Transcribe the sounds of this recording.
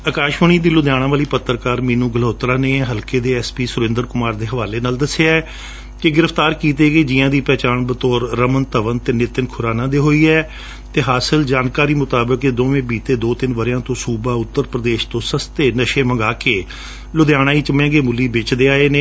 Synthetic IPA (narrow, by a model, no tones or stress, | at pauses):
əkaːʃməɳ̃iːd̪iːlʊd̪jaːɽãːʋaːliːpət̪ːəɾkaːɾmĩːnũːɡəloːt̪ɾaːneːɦəlkeːd̪eːɛːspiːsʊɾɪ̃ːnd̪əɾkʊmaːɾd̪eːɦəʋaːleːnaːld̪əsːeaɛ | kɪɡɪɾəfʰt̪aːɾkiːt̪eːɡeːd͡ʒɪːãːd̪iːpɛːt͡ʃaːnbət̪ɔːɾːəmənt̪əʋənt̪eːnɪt̪ənkʰʊɾaːnãːd̪eːɦoːiːɛː | t̪eːɦaːsəld͡ʒaːnkaːɾiːmʊt̪aːbəkeːd̪oːʋẽːbiːt̪eːd̪oːt̪ɪnʋəɾjãːt̪õːsuːbaːʊt̪ːəɾpɾəd̪eːʃt̪õːsəst̪eːnəʃeːməŋɡaːkeː | lʊd̪jaːɽ̃ãːiːt͡ʃəmẽːɡeːmʊlːiːbɪt͡ʃd̪eːaːeːneː